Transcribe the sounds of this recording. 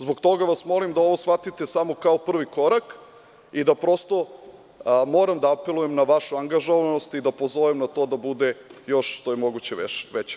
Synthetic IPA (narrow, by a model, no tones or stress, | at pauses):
zbo̞ɡt̪o̞ɡaʋasmo̞limd̪ao̞ʋo̞sfat̪it̪esamo̞kaopr̩ʋiko̞ɾak | id̪apɾo̞st̪o̞ | moːɾamd̪aape̞lujemnaʋaʃuaŋɡaʒoʋanost̪id̪apozoʋemnat̪o̞d̪abud̪ejo̞ʃʃt̪o̞jemo̞ɡut͡ɕeʋet͡ɕe̥